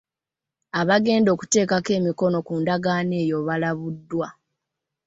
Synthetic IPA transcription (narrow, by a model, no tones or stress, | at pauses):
aβaɡe̞ːndo̞ːku̥te̞ːkake̞ːmiko̞no̞kuːndaɡaːneːjo̞βalaβudːwa